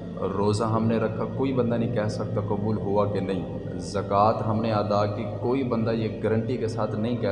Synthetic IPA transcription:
ɾoːzãːɦəmneɾəkʰːaːkoːiːbə̃nd̪aːnɦĩːkɛːsək̚t̪aːkəbuːlɦʊʋaːkenəɦĩː | zəkaːt̪ɦəmnẽːaːd̪aːkikoːiːbənd̪aːjeːɡəɾəɳʈikesaːt̪ʰnəɦĩːkɛː

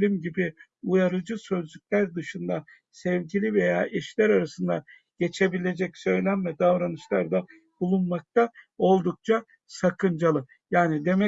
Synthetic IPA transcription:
lʲimɟibi | ujaɾɯd͡ʒɯsø̞zlʲycʲlʲæɾd̪ɯʃɯnd̪a | sɛvɟilʲive̞jaːʔɛʃlʲæɾaɾasɯnd̪a̰ | ɟ̥e̞t͡ʃʰe̞bilʲe̞d͡ʒɛcsø̞jlʲænvɛd̪avɾanɯʃlˠaɾd̪a | b̥ulˠunmak̚t̪ʰao̞lˠd̪uk̚t͡ʃʰa | sakʰɯnd͡ʒalˠɯ | jaːnid̪e̞mɛ

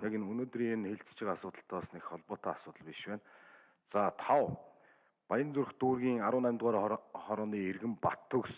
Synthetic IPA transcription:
jakenɵnoːt̪riːnxeɮt͡st͡ɕɪ̆qasʊːt̪ə̆ɬt̪ʰɔːsnexχɔɮpɔːt̪ʰaːasʊːt̪ə̆ɮpiʃpæːn | t͡sat̪ʰaw | pajə̆nt͡sɵrxt̪uːrɣʲiːŋaɾʊːnæːmʲt̪ʁaːɾχɔɾɔːniːerɣɘ̆mpat̪ʰːɵ̆ks

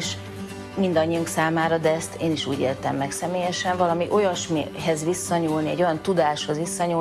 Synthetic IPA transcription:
ʃ | mind̪ɒɲːiuŋksaːmaːɾɒd̪ɛɛst̪ʰeːniʃuːɟḛːrt̪ɛmːɛksɛmeːjɛʃɛɱvɒlɒmiʔo̞jɒʃmɦɛzʋisːɒɲuːlniɛ̰ɟo̞jɒnt̪ud̪aːʃho̞zʋisːɒɲu

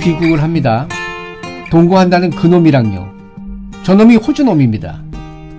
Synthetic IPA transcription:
kiɡuɡɯɭɦamɲida | toŋɡuɦandanɯnkɯnomiɾaŋjo̰ | t͡ɕʌnomiɸod͡ʑunomimɲida̰

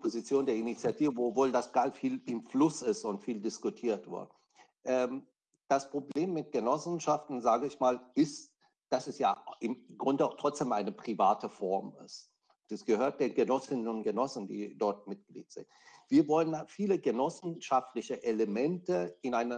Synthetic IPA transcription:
pʰozit͡sjoːndeːɐinit͡sjatʰiːvəvovoːldasɡ̥alfiːlɪmflʊsɪstʊntfiːldɪskʊtʰiːɐtv̥ɪ̰ɐtə | ʔɛːm | d̥aspʁ̥obleːmːɪt̚ɡ̥ənɔsn̩ʃaftn̩zaːɡəɪçmaːlɪst | d̥asɛsjaːʔɪmɡʁʊndətʁ̥ɔt͡sd̥eːmʔaɪnəpʁ̥ivaːtəfɔɐmɪ̰st | asɡ̥əhøːɐt̚d̥eːnɡənɔsɪnənʊntɡ̥ənɔsn̩dḭːdɔɐt̚mɪt̚ɡ̥lḭːtz̥ɪ̰ntv̥iːɐvɔlənfiːləɡənɔsn̩ʃaftlɪçəʔeləmɛntəɪnʔaɪnɐ

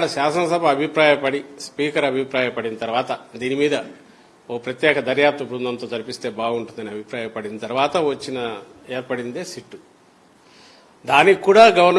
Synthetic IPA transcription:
ɽɐʃaːsɐnɐsɐbʱɐːbʱipɾaːjɐpɐɽispiːkɐɾɐbʱipɾaːjɐpɐɽinɐt̪ɐɾʋaːt̪ɐd̪iːnimiːd̪ɐ | ɔkːɐpɾɐt̪jɛːkɐd̪ɐɾjaːp̚t̪ɐbɾund̪ɐnt̪o̞ːt̪ɐɾipist̪e̞ːbaːɡuɳʈund̪ɐniɐbʱipɾaːjɐpɐɽind̪it̪ɐɾuʋaːt̪ɐʋɐt͡ʃːinɐ | eːɾpɐɽind̪eːsiʈːu | d̪aːnikːuːɽaːɡɐʋɐɾn

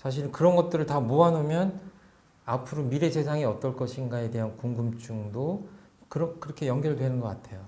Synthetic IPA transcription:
sʰaɕ̬ʰiɭkɯɾʌnɡʌt̚t͈ɯɾɯɭtamoanomjʌn | apʰuɾomiɾe̞se̞sʰaŋiʌt͈ʌɭk͈ʌɕʰinɡae̞de̞ɦankoŋɡumt͡ɕ͈uŋdo | kɯɾʌkɯɾʌkʰe̞jʌŋɡjʌɾɭdwe̞nɯnɡʌk͈atʰe̞jo

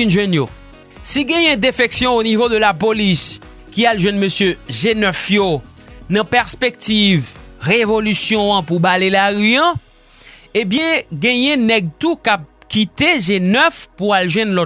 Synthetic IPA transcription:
ynʒwɛnjo | siɡɛ̃jɛ̃d̪efɛksjɔ̃onivod̪əlapolis | kialʒwɛ̃nmøsjøʒenœfjo | nãpɛʁspek̚t̪ivʁevolysjɔ̃ãpubalelaʁyã | ebjɛ̃ɡɛ̃jɛ̃nɛɡ̚t̪ukap̚kit̪eʒenœfpualʒwɛ̃nlɔ

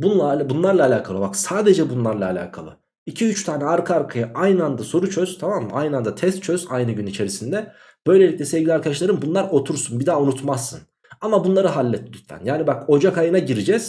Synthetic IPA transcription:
bunlˠaabunlˠaɾlˠaːlʲaːkʰalˠɯbaksaːd̪e̞d͡ʒɛbunlˠaɾlˠaːlʲa̰ːkʰa̰lˠɯ̰ | icʰiyt͡ʃt̪ʰaːnɛaɾkʰaaɾkʰajaʔajnɯand̪aso̞ɾut͡ʃʰøz̥t̪ʰamamːajnɯand̪at̪ʰɛst̪̚t͡ʃʰøz̥ajnɯɟynit͡ʃʰe̞ɾisind̪ɛ | b̥ø̞jlʲe̞lʲic̚ʲlʲɛsɛvɟʲilʲiaɾkad̪aʃlˠaɾɯmbunlˠaɾo̞t̪ʰuɾsunbid̪aːunut̪masːɯn | amabunlˠaɾɯɦalʲːɛt̪ʰːʲɛd̪yt̪æ̰njaːnibako̞d͡ʒakʰajɯnaɟiɾid͡ʒɛz̥

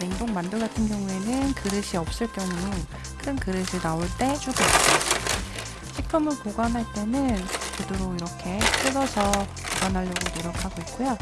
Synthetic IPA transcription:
neŋdoŋmandɯɭɡatʰɯnɡjʌŋue̞nɯnkɯɾɯɕʰiʌp̚s͈ɯɭk͈jʌŋu | kʰɯnkɯɾɯɕʰinaoɭt͈e̞t͡ɕ͈uɡɯis͈ʌ | ɕʰipʰɯmɯɭkoɡwanɦaɭt͈e̞nɯnkɯdɯɾoiɾʌkʰe̞k͈ɯdʌsʰʌ | koɡanɦaʎːʌɡonoɾjʌkʰaɡoit̚k͈ujo

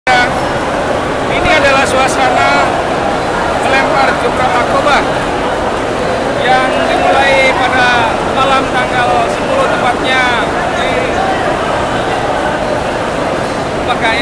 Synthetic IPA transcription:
a | iniadalahsuahsana | bəlɛmpar̚d͡ʒumamakoba | jaŋdimulaipada | malamt̪aŋɡalsəpulʊht̪əmpat̪̚ɲa | di | baɡaj

